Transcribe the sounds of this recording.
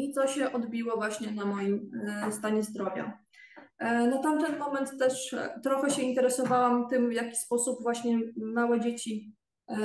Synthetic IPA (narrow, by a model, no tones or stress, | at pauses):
it̪ɔɕɛʔɔd̪bʲiwɔvwaɕɲɛnamɔjimst̪aɲɛzd̪ɾɔvʲja̰ | nɔt̪amt̪ɛnmɔmɛnt̪ːɛʂt̪ɾɔxɛɕɛint̪ɛɾɛsɔvawamt̪ɘmvjakʲi̥spɔsupvwaɕɲɛmawɛd͡ʑet͡ɕi